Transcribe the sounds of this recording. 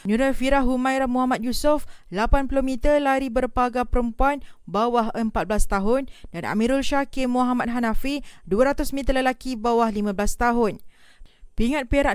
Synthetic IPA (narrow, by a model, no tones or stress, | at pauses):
ɲũɾafiɾaɦɦumãjɾamuɦamat̪̚jusʊflapankulomĩt̪əlaɾibərpaɡapəɾəmpuanbawaɦəmpat̪̚blast̪aɦʊndana̰mĩɾulʃakɪmoɦamat̪̚ɦanafiduəɾat̪ʊsmĩt̪ərləlakibawahlimãblast̪aɦʊn | piŋat̪̚peɾaʔ